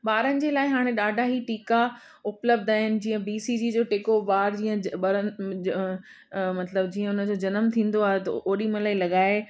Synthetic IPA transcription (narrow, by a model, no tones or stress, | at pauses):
ɓaːɾənɪ̆d͡ʑeːlaːɪɦaːɽ̃eɗaːɖʱaɦiʈiːka | ʊpləb̚d̪aːɦɪnɪ̆d͡ʑiːə̃biːsid͡ʑiːd͡ʑoːʈeːkoʋaːɾd͡ʑiːə̃ɓɐɾən | mɐt̪ləb̚d͡ʑiːə̃ʊnə̆d͡ʑod͡ʑɐnəmt̪ʰĩːn̆d̪oaːɦet̪ɐʔoːɗimɐlaːilɐɠaːe